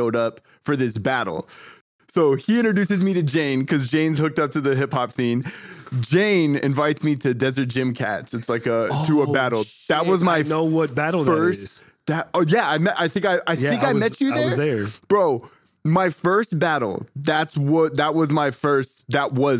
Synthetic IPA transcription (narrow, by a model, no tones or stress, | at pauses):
ʊɾʌp | fə˞ðɪsb̥æɾl̩ˠ | soʊiɪ̃ɾ̃t͡ʃɹɨdʉsɨzmiɾɨd͡ʒẽɪ̃nkʰʌzd͡ʒẽɪ̃nz̥hʊk̚tʌp̚tʰɨðɨɦɪphɑpsĩnd͡ʒẽɪ̃nɪ̰̃ɱvaɪtsmiɾɨdɛzə˞t̚d̥ʒ̥ɪ̃mkʰæ̰tsɨtslaɪkətʰɨəbæɾl̩ˠ | ðət̚wʌzmaɪnoʊwʌt̚b̥æɾl̩ˠðɜ˞s | ðɨt̚ojæaɪmɛʔaɪθɪ̃ŋkaɪaɪɪ̃kaɪmɛt͡ʃɨðəwðəb̥ɹoʊ | maɪfɜ˞st̚b̥æɾl̩ˠðætswʌt̚ðət̚wʌzmaɪfɜ˞st̚ðət̚wʌz